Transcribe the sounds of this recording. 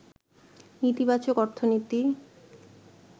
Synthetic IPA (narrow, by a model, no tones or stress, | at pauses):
nit̪ibat͡ɕokɔɾt̪ʰonit̪i